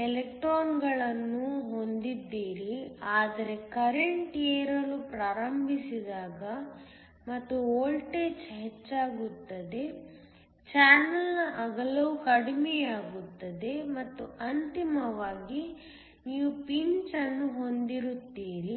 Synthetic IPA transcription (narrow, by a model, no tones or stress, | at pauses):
elekʈɾoːnɡɐɭɐnːuɦo̞nd̪id̪ːiːɾiaːd̪ɐɾe̞kɐɾeɳʈijɐɾɐlupɾaːɾɐmbʱisid̪aːɡɐ | mɐt̪ːuoːlʈet͡ʃɦet͡ʃːaːɡut̪ːɐd̪e̞ | t͡ʃaːnɐlʔaɡɐlɐʋukɐɽimɛjaːɡut̪ːɐd̪e̞mɐt̪ːuʔɐnt̪imɐʋaːɡi | niiːʋupiɲt͡ʃɐnːuɦo̞nd̪iɾut̪ːiːɾi